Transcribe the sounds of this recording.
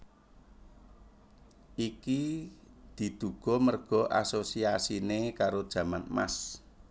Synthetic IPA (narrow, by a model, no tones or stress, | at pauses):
ʔiki | d̪̥i̤d̪̥uɡ̥ɔ̤mərɡ̥ɔ̤ʔa̰sosiasinekaɾod̥ʒ̥ä̤manma̰s